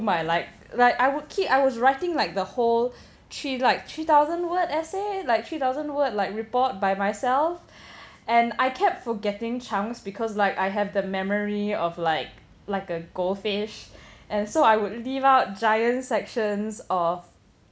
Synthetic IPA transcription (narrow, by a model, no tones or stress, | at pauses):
maɪlaɪk̚ | laɪkaɪwʊd̚kʰipaɪwɔsɹaɪtɪ̃ŋlaɪk̚d̪əhol | tʰɹilaɪk̚t̪ʰɹit̪aʊzə̃nwətɛselaɪk̚t̪ʰɹit̪aʊzə̃nwət̚laɪkɹipɔt̚baɪmaɪsɛlf | ʔɛ̃naɪkʰɛp̚tfɔɡɛtɪ̃ŋt͡ʃʰãŋsbikʰɔslaɪkaɪɦɛvdəmɛməɹiɔflaɪk̚ | laɪkəɡ̥olfɪʃʔɛ̃nsoaɪwʊd̚livaʊt̚d͡ʒajə̃ntsɛkʃə̃nsɔf